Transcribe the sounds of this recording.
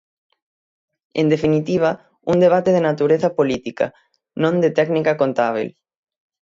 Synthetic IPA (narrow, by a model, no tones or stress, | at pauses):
ẽnd̪efinit̪iβ̞a | uŋd̪eβat̪eð̞enat̪uɾeθapolit̪ika̰ | nõnd̪et̪ɛɡnikakont̪aβ̞ḛl